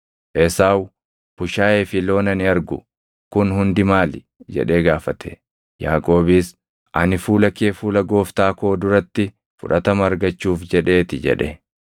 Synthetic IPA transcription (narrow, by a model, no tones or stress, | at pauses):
ʔɛsaːw | b̥ʊʃaːeːfɪlo̞ːnɐnɪɐɾɡʊ | kʊnhʊnd̪ɪmaːlɪ | d͡ʒɛ̰ᶑe̞ːɡaːfɐt̪ʰe | jaːkʼo̞ːbiːs | ʔɐnɪfuːlɐkeːfuːlɐɡo̞ːft̪aːkoːd̪ʊɾɐt̪ːɪ | fʊᶑɐt̪ɐmɐɾɡɐt͡ʃːuːfd͡ʒɛᶑe̞ːt̪ɪd͡ʒɛ̰ᶑɛ